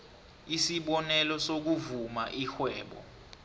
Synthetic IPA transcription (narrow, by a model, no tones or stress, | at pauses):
isiɓɔnɛlɔsok̬uvumaʔixwɛːɓɔ̰